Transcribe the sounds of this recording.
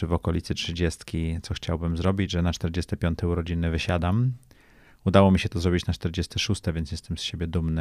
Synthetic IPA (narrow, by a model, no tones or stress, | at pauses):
ɘvɔkɔlʲit̪sɘtʂɘd͡ʑɛst̪kʲit̪sɔxt͡ɕawbɘmzɾɔbʲid͡ʑʐɛnat͡ʂt̪ɛɾd͡ʑɛst̪ɛpʲjɔnt̪ɛuɾɔd͡ʑinɘvɘɕad̪am | ud̪awɔmʲiɕɛt̪ɔzɾɔbʲit͡ɕnat͡ʂt̪ɛɾd͡ʑɛst̪ɘʂust̪ɛvʲjɛnt̪jɛst̪ɛmsɕebʲjɛd̪umnɘ